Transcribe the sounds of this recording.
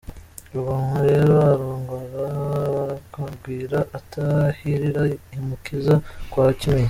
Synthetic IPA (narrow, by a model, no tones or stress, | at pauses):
ɾuβaːŋaɾe̞ːɾoaɾoːŋɡaɾaβɾakaɡwiːɾaʔatahiɾiɾaimukizakwaːcimeɲi